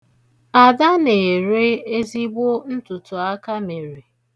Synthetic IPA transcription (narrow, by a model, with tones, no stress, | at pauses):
a˨da˦ne˨ɾe˦e˦zi˦ɡ͡bo˦n̩˦tʊ˨tʊ˨a˦ka˦me˨ɾe˨